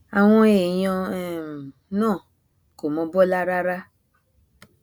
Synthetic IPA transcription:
a˨w̃ɔ̃˦e˨jɔ̃˧ɛ˨m˨ | nɔ̃ː˦˨ | ko˨mɔ̃˧bɔ˦la˦ɾa˦ɾa˦

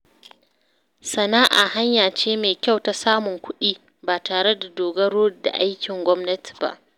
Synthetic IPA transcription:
sɐ˨naː˦ʔa̰˨ɦa˦ɲjaː˨t͡ʃeː˦meː˨kʲa˦˨wta˨saː˦mʊ˨ŋkʷʊ˦ɗiː˦ | baː˨tʰaː˨ɽe˦da˨doː˨ɡɐ˦ɽoː˦da̰˨ʔa˦jkʲɪ˨ŋɡʷɔ˦mnɐ˦ti̥˨ba̰˦˨ʔ

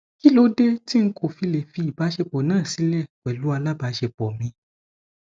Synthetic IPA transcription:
ki˦lo˨˦de˦ti˦ŋ̩˦kʰo˨fi˧le˨fi˧i˨ba˨˦ʃe˧pɔ˨nãː˦˨si˨˦lɛ˦˨kɛ˨lu˨˦a˧la˦ba˧˦ʃe˧bɔ˨mĩ˧

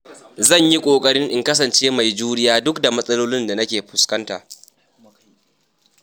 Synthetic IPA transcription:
zɐ˦˨ɲji˦kʷʼoː˨kʼɐ˦ɽɪ˦ŋʔɪ˨ŋkɐ˦sɐ˨nt͡ʃeː˦ma˨jd͡ʒuː˦ɽɪ˦jaː˦dʊ˦kda˨mɐ˦sʼɐ˦loː˦lɪ˦nda˨nɐ˦kʲeː˨ɸʊ˨skɐ˦nta̰ː˨

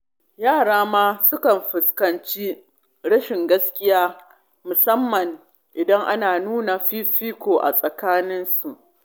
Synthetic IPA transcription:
jaː˦˨ɽaː˦maː˦sʊ˦kɐ˨mɸɪ˨skɐ˨nt͡ʃi˦ | ɽɐ˦ʃɪ˨ŋɡɐ˦skʲɪ˦jaː˦ | mʊ˨sɐ˦mːɐ˨ŋ | ʔɪ˨dɐ˦ŋʔa˦naː˨nuː˦na˨ɸiː˦ɸiː˦kʷoː˨ʔa̰˨sʼɐ˨kaː˦nɪ˦nsu˨ʔ

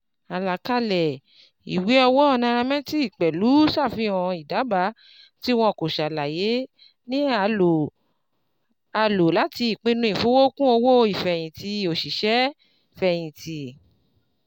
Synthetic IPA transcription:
a˨la˨ka˧lɛ˨ | ḭ˨we˨˦ɔ˧wɔ˦ɔ˧nã˧ɾ̃ã˧mɛ̃˦ti˦i˦˨k͡pɛ˨lu˨˦sa˦˨fĩ˧˦ɔ̃˧i˨da˨˦ba˨˦ | ti˦w̃ɔ̃˧˨ko˨ʃa˨la˨je˨˦ | nĩ˦a˧o˨ | a˧lo˨la˨˦ti˧i˨k͡pĩ˦˧nũ˧˦i˦˨fo˦wo˦kũ˦o˧wo˦˧i˨fɛ˨j̃ĩ˨ti˧˦o˨ʃi˨ʃɛ˨˦˨ | fɛ˨j̃ĩ˨ti˨

